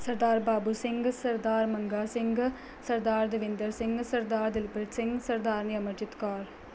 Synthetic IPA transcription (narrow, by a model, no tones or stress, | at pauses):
sɐɾd̪aːɾbaːbusɪŋɡɐsɐɾd̪aːɾmɐŋɡaːsɪŋɡɐ | sɐɾd̪aːɾd̪ɐʋɪnd̪ɐɾsɪŋɡɐsɐɾd̪aːɾd̪ɪlpɪɾsɪŋɡsɐɾd̪aːɾnijɐmɐd͡ʒɪt̪kaːɾ